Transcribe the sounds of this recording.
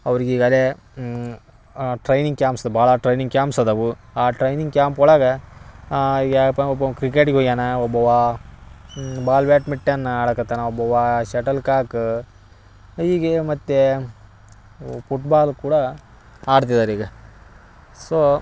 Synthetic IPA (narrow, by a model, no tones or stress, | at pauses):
ɐʋɐɾiɡeiːɡaːle | ʈɾɐjniŋɡ̚kjaːmpsɐd̪bʱaːɭɐʈɾɐjniŋɡkjaːmsɐd̪ɐʋu | aːʈɾɐjniŋɡkjaːmpɔːɭaːɡɐ | ɡapɐɔbːɐkɾikeːʈɡeɦoɡaːnɐɔbːɐʋa | baːlʋjaːʈmiʈːeɐnːɐaːɽɐkːɐt̪ːaːnɐɔbːɐʋaʃɛʈɐlkaːkɨ | iːɡemɐt̪ːe | puʈbaːlkuːɽɐ | aːɽt̪̬id̪aːɾiːɡɐ | soː